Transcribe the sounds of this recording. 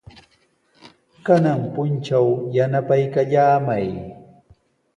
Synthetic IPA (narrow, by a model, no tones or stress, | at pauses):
kanaŋpʊnt͡ʃawjanapajkaʎaːmaj